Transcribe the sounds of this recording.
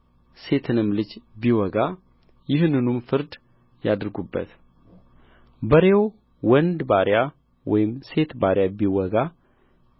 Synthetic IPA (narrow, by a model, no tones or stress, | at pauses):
se̞t̪ʰɨnɨmːlɨd͡ʒbiwɔɡa | jɪhnːɨnumfɨɾd̪ | jad̪ɨɾɡubːə̰t̪ | bəɾew | wɔnd̪baɾja | wɔ̰jɪmse̞t̪baɾjabiwɔɡa